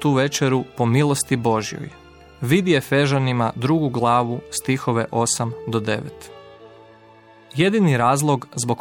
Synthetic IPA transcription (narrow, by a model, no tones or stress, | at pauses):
t̪uːʋe̞t͡ʃeɾupo̞milˠost̪ibo̞ʒijo̰j | ʋid̪ijefe̞ʒanimad̪ɾuɡuɡlˠaːʋust̪ixo̞ʋe̞ʔo̞samd̪od̪eʋḛt̪ | je̞d̪iniɾaːzlˠoɡzbo̞k